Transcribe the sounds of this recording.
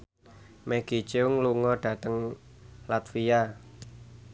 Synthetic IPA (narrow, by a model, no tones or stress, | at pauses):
mɛɡ̥it͡ʃeʊŋluŋɔɖ̥ä̤t̪əŋ | lat̪fia